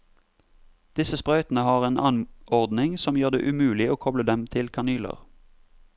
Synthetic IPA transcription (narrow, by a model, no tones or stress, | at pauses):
d̪̥ɪsəspʁœʏt̪n̩əhɑːʁeːnʔɑnɔʁd̪nɪŋsɔmjøːʁd̪ḛːʔʉmʉːlɪoːkʰɔbləd̪ɛmt̪ʰɪlkʰɑnyːlə̰ʁ